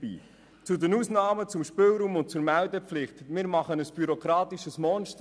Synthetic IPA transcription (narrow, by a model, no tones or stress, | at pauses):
ḭː | t͡sʊdənuːsnɑːmət͡sʊmʃpɪlɾuːmʊnt̚t͡suɾmældəflɪχtmɪːɾmɑχənəsb̥yɾokɾɑːt̪iʃəsmɔːnʃt